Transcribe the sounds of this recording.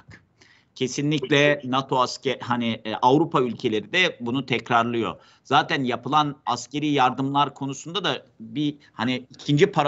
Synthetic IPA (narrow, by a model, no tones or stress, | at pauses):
k | cʰe̞sinlʲiclʲɛnat̪ʰo̞ascɛhaniʔavɾupʰaylʲcʰe̞lʲe̞ɾid̪ɛbunut̪ʰɛcɾaɾlˠɯjo̞̰ | z̥aːt̪ʰænjapʰɯlˠanascʰe̞ɾiːjaɾd̪ɯmlˠaɾkʰo̞nusund̪ad̪abi | haniicʰind͡ʒipʰaɾ